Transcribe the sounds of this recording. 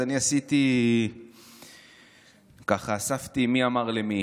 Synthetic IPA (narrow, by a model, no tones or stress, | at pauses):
aniasit̪i | kaχaːsaft̪imiamaʁlemi